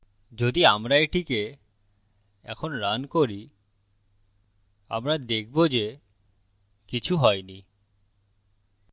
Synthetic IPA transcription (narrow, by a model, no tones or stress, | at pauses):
d͡ʑod̪iamɾaeʈʰike | ɛ̰kʰonɾankoɾi | a̰mɾad̪ek̚ʰbod͡ʑe | kit͡ɕʰuɦɔeni